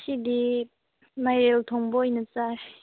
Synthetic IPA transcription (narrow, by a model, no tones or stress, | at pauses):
ɕid̪i | majɾelt̪ʰoŋpojinət͡sa